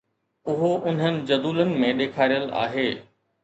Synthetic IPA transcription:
ʊɦoʔʊn̤ɦənɪ̆d͡ʑɐd̪uːlənɪ̆mẽɗeːkʰaːɾijəla̰ːɦeː

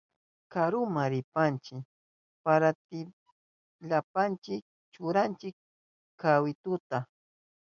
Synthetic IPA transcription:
kaɾʊmaɾɪpant͡ʃɪ | paɾat̪ɪ | ʎapant͡ʃɪk̚ | t͡ʃʊɾant͡ʃɪk | kawɪt̪ʊt̪a

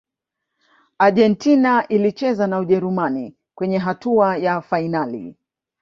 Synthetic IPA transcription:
aʄɛntinaʔilit͡ʃɛzanauʄɛɾumani | kwɛɲɛɦatuajafainalḭ

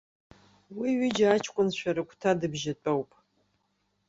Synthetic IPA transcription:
wiɥɪd͡ʒaat͡ʃʰkʷʼʊnʃʷᶣʰaɾɨkʷʰʼtʰadɨbʒat͡pʷʼowpʼ

